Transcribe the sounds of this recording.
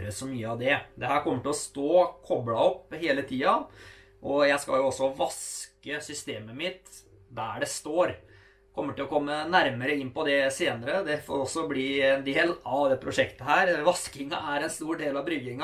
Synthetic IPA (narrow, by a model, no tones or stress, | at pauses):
ɾəsɔmyːəɑʋd̪ɛd̪ɛɦæːɾkɔmːəʈɪlɔst̪oːkʰɔblɑɔpːheːlət̪ʰiːɑ | ʔɔjæɪskɑ̰ljʊɔsːɔʋɑskəsʏst̪eːməmɪt̪ | d̪æɖɛst̪oːɾ | kʰɔmːəʈɪlɔkʰɔmːənæɾməɾəɪnːpɔd̪ɛseːnəɾəd̪ɛfo̰ːɾɔsːɔbliːɛnd̪eːlɑʋd̪ɛpʰɾʊʂɛkt̪əɦæːɾʋɑskɪŋɑ̰ʔæɾɛnst̪uːɖeːlɑʋbɾʏɡɪŋɑ